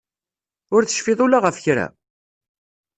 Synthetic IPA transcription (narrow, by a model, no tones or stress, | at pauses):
ʊɾθə̥ʃfɪðˤʊlaʁəfçɾæ̰